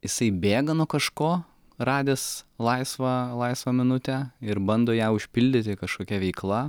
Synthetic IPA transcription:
jɪsɐɪbʲeːɡɐnuɔkɐʃkoː | rɑːd̪ʲeːslˠɐɪsʋɐlˠɐɪsʋɐmʲɪnʊt̪ʲæɪɾbɐnd̪oːjæːʊʃʲpʲɪlʲd̪ʲɪt̪ʲɪkɐʃkoːkʲɛʋʲɛɪklˠɐ

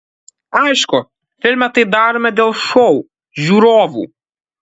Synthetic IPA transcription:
ɐɪʃkʊ | fʲɪlʲmʲɛt̪ɐɪd̪ɑːɾoːmʲɛd̪ʲeːlˠʃɔʊ | ʒʲuːɾoːʋṵː

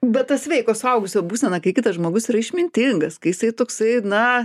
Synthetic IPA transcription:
bʲɛttːɐsʋʲɛɪkoːsʊɐʊɡʊsʲoːbuːsʲɛnɐkɐɪkʲɪt̪ɐsʒmoːɡʊsiːɾɐɪʃʲmʲɪnʲt̪ʲɪŋɡɐskɐɪjɪsɐɪt̪oːksɐɪnɐ

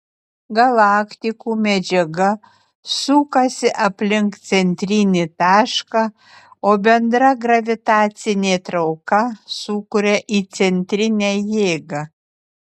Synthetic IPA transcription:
ɡɐlˠɑːkt̪ʲɪkuːmʲɛd͡ʒʲɛɡɐ | suːkɐsʲɪʔɐpʲlʲɪŋkt̪sʲɛnʲt̪ʲɾʲɪnʲɪt̪ɑːʃkɑ | oːbʲɛnd̪ɾɐɡɾɐʋʲɪt̪ɑːt̪sʲɪnʲeːt̪ɾɐʊkɐsuːkʊɾʲɛʔiːt̪sʲɛnʲt̪ʲɾʲɪnʲæjeːɡɐ

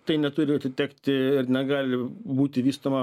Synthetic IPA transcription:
t̪ɐɪnʲɛt̪ʊɾʲɪɐt̪ʲɪt̪ʲɛːkt̪ʲɪɪrnʲɛɡɑːlʲɪbuːt̪ʲɪʋʲiːst̪oːmɐ

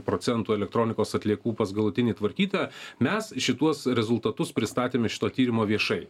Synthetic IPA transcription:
pɾoːt̪sʲɛnt̪uːɛlʲɛk̚t̪ɾoːnʲɪkoːsɐt̪ʲlʲiɛkuːpɐsɡɐlˠʊt̪ʲɪnʲiːt̪ʋɐɾʲkʲiːt̪ɑːmʲɛsʃʲɪt̪uɔsɾʲɛzʊlˠt̪ɐt̪ʊspʲɾʲɪst̪ɑːt̪ʲeːmʲɛʃʲɪ̥t̪oːt̪ʲiːɾʲɪmoːʋʲiɛʃɐɪ

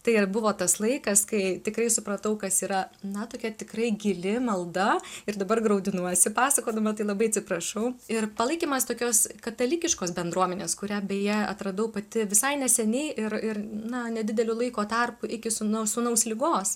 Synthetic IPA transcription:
t̪ɐɪbʊʋoːt̪ɐslˠɐɪkɐskɐɪt̪ʲɪkɾɐɪsʊpɾɐt̪ɐʊkɐsiːɾɐnɐt̪oːkʲɛt̪ʲɪkrɐɪɡʲɪlʲɪmɐlˠd̪ɐɪrd̪ɐbɐrɡɾɐʊd̪ʲɪnuɔsʲɪpɑːsɐkoːd̪ɐmɐt̪ɐɪlˠɐbɐɪɐt̪ʲsʲɪpɾɐʃɐʊɪrpɐlˠɐɪkʲiːmɐst̪oːkʲoːskɐt̪ɐlʲɪkʲɪʃkoːsbʲɛnd̪ɾuɔmʲɛnʲeːskʊɾʲæbʲɛjɛɐ̰t̪ɾɐd̪ɐʊpɐt̪ʲɪʋʲɪsɐɪnʲɛsʲɛnʲɛɪʔɪrɪrnɐnʲɛd̪ʲɪd̪ʲɛlʲʊːlˠɐɪkoːt̪ɐrpʊʔɪkʲɪsʊnɐsʊnɐʊslʲɪɡoːs

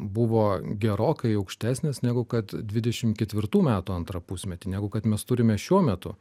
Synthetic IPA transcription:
bʊʋoːɡʲɛɾoːkɐɪɐʊkʃʲt̪ʲæːsʲnʲesnʲæːɡʊkɐt̪dʲʋʲɪd̪ʲɛʃʲɪmkʲɛt̪ʲʋʲɪɾt̪uːmʲæːt̪uːɐnt̪ɾɐpʊsʲmʲɛt̪ʲinʲæːɡʊkɐt̪mʲɛst̪ʊɾʲɪmʲɛʃʲuɔmʲɛt̪ʊ̰

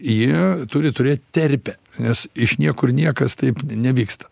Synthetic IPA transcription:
jiɛt̪ʊːɾʲɪt̪ʊɾʲeːt̚ʲt̪ʲɛrʲpʲɛnʲɛsɪʃnʲiɛkʊrnʲiɛkɐst̪ɐɪpnʲɛʋʲiːkst̪ɐ̥

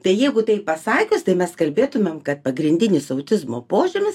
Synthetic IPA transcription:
t̪ɐɪjɛɪɡʊt̪ɐɪpɐsɑːkʲost̪ɐɪmʲɛskɐlʲbʲeːt̪ʊmʲemkɐt̪̚pɐɡɾʲɪnʲd̪ʲɪnʲɪsɐʊt̪ʲɪzmo̰ːpoːʒʲʊmʲɪs

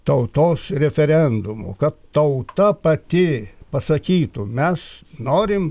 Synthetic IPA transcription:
t̪ɐʊt̪oːsɾʲɛfʲɛɾʲɛnd̪ʊmʊ̰kɐt̪t̪ɐʊt̪ɐpɐt̪ʲɪpɐsɐkʲiːt̪ʊmʲɛsnoːɾʲɪm

